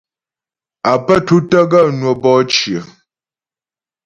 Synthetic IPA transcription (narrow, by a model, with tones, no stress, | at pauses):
a˨pə˦tu˦tə˦ɡa˦˨nwə˨bɔː˦t͡ʃjə˨